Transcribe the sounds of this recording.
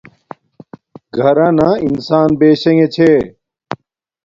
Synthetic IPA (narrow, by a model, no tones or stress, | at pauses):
ɡʱɐɾãːnãːinsaːnbeːɕẽŋẽt͡ɕʰeː